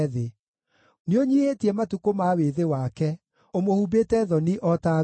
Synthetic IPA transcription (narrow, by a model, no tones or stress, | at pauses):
ðe | neoɲihetiɛmatukomaweðewakɛ | omohubeːtɛðɔniʔɔta